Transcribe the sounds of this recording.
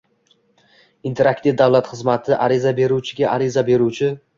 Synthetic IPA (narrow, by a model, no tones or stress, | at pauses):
int̪ʰe̞ɾakt̪ɪvd̪awlat̪χɨzmat̪ʰɪʔaɾɪzabe̞ɾut͡ʃʰɪɡʲaʔaɾɪzabe̞ɾuwt͡ʃʰɪ